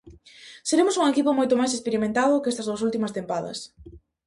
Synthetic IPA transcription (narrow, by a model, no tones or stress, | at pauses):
seɾemʊsuŋekipʊmojt̪ʊmajs̬espeɾimẽnt̪aðʊkest̪ɐzðowsult̪imɐst̪empaðɐ̰s